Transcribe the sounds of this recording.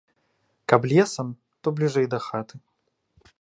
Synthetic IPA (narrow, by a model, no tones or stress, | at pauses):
kablʲɛsɐm | t̪ɔblʲiʐɛjd̪ɐxat̪ɨ